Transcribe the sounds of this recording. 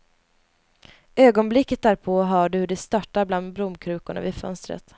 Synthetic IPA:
øːɡɔnblɪkːət̪̚d̪æːɾpʰɔɦaːɖɵhɵɖɛst̪ɑʈːaɾbland̪̚bɾʊmkʰɾʉ̟ːkʊɳa̰vɪfœ̰nst̪ɾə̰t̪

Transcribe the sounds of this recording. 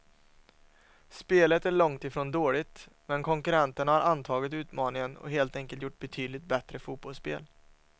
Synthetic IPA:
speːlət̪æɭɔŋt̪ɪfɾoːnd̪oːɭɪt̪ | mɛnkʰɔŋkɵɾɛnt̪əɳahaɾʔant̪ʰɑːɡɪt̪ʉ̟ːt̪mɑːnɪŋənɔ̰ɦeːlt̪ɛŋkəlt̪jʊʈːbɛt̪ʰyːd̪lɪt̪̚bɛt̪ɾəfuːbɔlspḛːl

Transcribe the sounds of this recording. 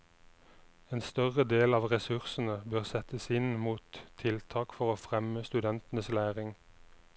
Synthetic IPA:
eːnst̪œʁəd̪eːlɑːʋʁɛsʉʁsn̩əbøːʁsɛt̪əsɪnmuːt̪ʰːɪlt̪ʰɑːkfɔʁoːfʁɛməst̪ʉd̪ɛnt̪ənəslæːʁɪŋ

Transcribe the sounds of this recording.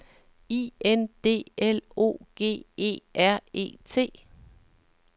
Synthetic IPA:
iːend̥e̝̰ːelo̝̰ːɡ̥e̝̰ːe̝̰ːʔæɐ̰e̝̰ːt͡sʰe̝̰ː

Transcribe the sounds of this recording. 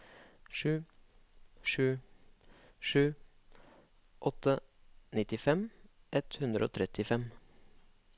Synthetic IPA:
ʂʉː | ʂʉː | ʂʉː | ʔɔt̪ːənɪt̪ɪfɛm | ʔɛt̪hʉnd̪ɾəo̰ːt̪ʰɾɛt̪ɪfɛm

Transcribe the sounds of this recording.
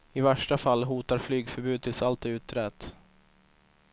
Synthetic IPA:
ɪvæʂʈafalːɦuːt̪aɾflyːɡfœɾbʉ̟ːt̪ʰɪlsalt̪ʉ̟ːt̪ɾɛt̪

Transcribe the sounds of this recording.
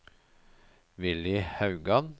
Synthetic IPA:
ʋɪlɪhɑʉɡɑn

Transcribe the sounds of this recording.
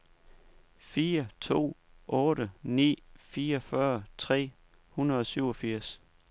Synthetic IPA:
fiːɐt͡sʰo̝̰ːʔɔ̽ːɾənḭːfiːɐɒfɶɐt͡sʰʁɛ̰ː | hunɐð̩ˠɒ̽syʊ̰ɒ̽fiɐ̰s

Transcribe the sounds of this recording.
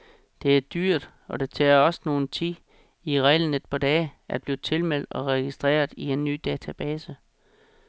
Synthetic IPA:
d̥e̝æɐd̥yɐ̰d̥ | ɒ̽d̥e̝t͡sʰɛːɐɒ̽sno̝ːn̩t͡sʰi | iʁɛːləned̥̚pʰɑ̈d̥ɛːæ̥b̥liːt͡sʰe̝lmel̰d̥ɒ̽ʁɛɡ̥isd̥ʁɛ̰ːɐðˠie̝nːy̰ːd̥ɛːt͡sʰæb̥ɛːsə

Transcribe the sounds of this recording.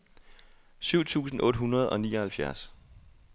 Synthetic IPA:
syʊ̰t͡sʰṵːsn̩ʔɔ̽ːd̥ɦunʁɐð̞ˠɒ̽nḭːɒ̽hælfjæɐs

